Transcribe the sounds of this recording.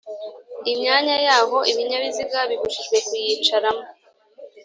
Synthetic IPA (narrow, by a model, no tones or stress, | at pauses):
imɲaːɲajaːɦo̞ʔiβiɲaβiziɡaβiβuʃiʒɡwe̞kujit͡ʃaɾamo